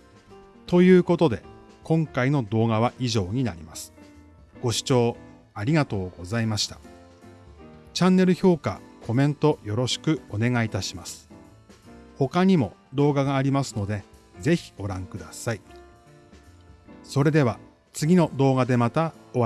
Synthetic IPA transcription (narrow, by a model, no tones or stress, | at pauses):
t̪o̞jɯ̟ːko̞t̪o̞d̪e̞̰kõ̞ŋkaino̞d̪o̞ːɡaβ̞aʔiʑo̞ːɲ̟ina̰ɾʲimasɨ̥ | ɡ̥o̞ɕi̥t͡ɕo̞ː | aɾʲiɡat̪o̞ːɡo̞zaimaɕi̥t̪ḁ | t͡ɕãnːe̞ɾɯ̟ço̞ːka̰kʰo̞mẽ̞nt̪o̞jo̞ɾo̞ɕi̥kɯ̟o̞ne̞ɡait̪aɕimasɨ̥ | ho̞kaɲ̟imo̞d̪o̞ːɡaɡaːɾʲimasɨno̞d̪e̞ | ze̞çi̥ɡ̥o̞ɾãŋkɯ̟d̪asai | so̞ɾe̞d̪e̞βa | t͡sɨɡʲino̞d̪o̞ːɡad̪e̞mat̪ao